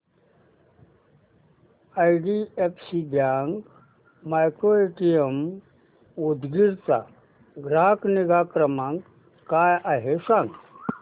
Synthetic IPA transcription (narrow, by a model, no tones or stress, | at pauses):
ajɖiepʰsid̪jaŋɡ | majkɾoeʈijem | ud̪ɡiɾt̪a̰ | ɡɾakniɡakɾəmãŋɡ | kajaɦesãŋɡ